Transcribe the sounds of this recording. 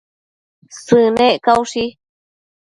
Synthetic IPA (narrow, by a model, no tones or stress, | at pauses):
sɨnẽʔkauʂi